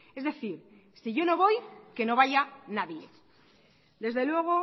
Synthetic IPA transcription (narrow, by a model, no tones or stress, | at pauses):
e̞zðe̞θiɾ | siʝo̞no̞βo̞jke̞no̞β̞aʝanaðje̞ | d̪e̞zðe̞lwe̞ɣ̞o̞